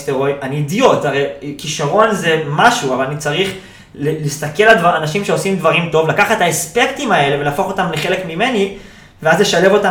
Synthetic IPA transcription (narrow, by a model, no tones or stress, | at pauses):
steʁo̞jʔaniːdijo̞taʁejkiʃaʁo̞nze̞maʃuavalanit͡saʁiχ | lelistake̞ladvaanaʃimʃe̞o̞simd̪vaʁimto̞vlakaχetaespe̞kt̪imae̞leve̞laːfo̞χo̞t̪amleχe̞le̞kmime̞ni | veazle̞ʃale̞vo̞t̪a